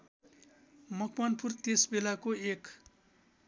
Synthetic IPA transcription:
mʌkʰmʌnpʰurt̪esbelakoek

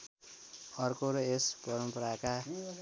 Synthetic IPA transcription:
ʌrkoɾʌespʌɾʌmpʌɾaka

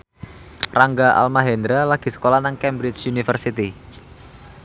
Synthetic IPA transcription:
raŋɡaʔa̰lmaɦɛnd̪ɾalaɡ̥i̤sə̥kolanaŋkɛmbɾɪt͡ʃunifərsit̪i

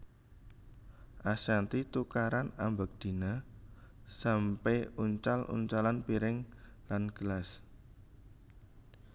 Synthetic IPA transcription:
ʔasant̪it̪ukaɾanambak̚d̪̥i̤na | sampeuɲt͡ʃalʔṵɲt͡ʃalanpiɾɪŋ | lanɡ̥əlas

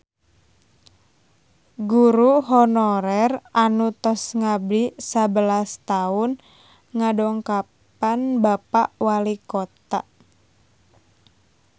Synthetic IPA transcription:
ɡuɾuɦɔnɔɾɛrʔanut̪ɔsŋablisabəlast̪aʊn | ŋadɔŋkap | anbapaʔwalikot̪a̰

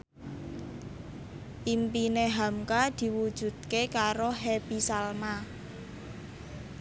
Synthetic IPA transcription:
ʔimpineɦamkad̪̥i̤wud̥ʒ̥ṳd̪̥̚kekaɾoɦebisalma

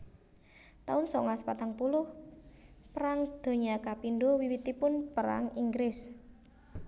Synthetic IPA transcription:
t̪aʊnsɔ̰ŋaspat̪aŋpulʊh | pəɾaŋd̪̥o̤ɲakapinɖowiwit̪ipʊnpəɾa̰ŋiŋɡɾɪs

